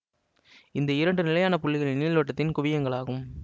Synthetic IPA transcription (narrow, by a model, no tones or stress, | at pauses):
ɪnd̪ɐɪɾɐɳɖɯnɪlɐjaːnɐpʊɭːɪɣɐɭɪniːɭʋɐʈːɐt̪ːɪnkʊʋɪjɐŋɡɐɭaːɣɯm